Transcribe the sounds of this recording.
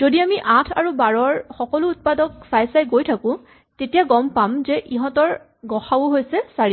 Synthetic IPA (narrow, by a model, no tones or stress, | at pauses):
zodiamiʔãtʰaɹubaɹɔɹxɔkɔlʊːt̚padɔksajsajɡojtʰakʊ̃ | tetijaɡɔmpamzɛʔiɦɔ̃tɔɹ | ɡɔxawʊɦojsɛsaɹi